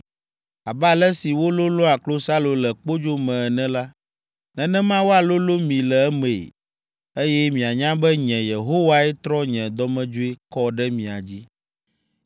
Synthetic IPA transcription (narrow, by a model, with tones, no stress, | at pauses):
a˨blɛ˦si˨wo˦lo˦lɔ˦a˨klo˦sa˦lo˨lɛ˨k͡po˦d͡ʒo˦mɛ̃˨ɛ˨nɛ̃˦la˦ | nɛ̃˦nɛ̃˦mã˦wo˦a˨lo˦lo˦mĩ˨lɛ˨ɛ˦mḛ̃˨ | e˦jɛ˦mĩ˨a˨ɲã˦bɛ˦ɲɛ̃˨je˨ɦo˦wa˦ɛ˦t̪ɾɔ˦ɲɛ̃˨d̪ɔ˦mɛ̃˦d͡ʒo˦e˦kɔ˦ɖɛ˦mĩ˨a˨d͡ʑi˦